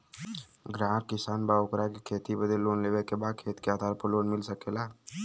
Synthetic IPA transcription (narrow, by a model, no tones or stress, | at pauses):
ɡɾaːɾkɪsaːnbaokɾakekʰeːt̪ibəd̪eloːnleːʋekebakʰeːt̪keaːd̪ʱaːɾpəɾloːnmɪlsəkelaː